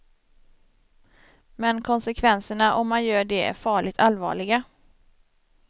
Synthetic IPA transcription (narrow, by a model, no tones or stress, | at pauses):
mɛnkʰɔnsɛkʰvɛnsəɳaʔɔmːanjœːɖɛæ̰ɾfɑːɭɪt̪ʰalvɑ̰ːɭɪɡa